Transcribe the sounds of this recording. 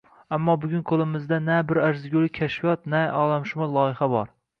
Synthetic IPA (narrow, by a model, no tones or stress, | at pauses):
amːɒbʊɡʲʊnkʰolˠɪmɪzd̪anabɪɾaɾzɪɡʲolˠɪkʲʰaʃfijɒt̪naɒlˠamʃʊmalˠɒjɪχabɒɾ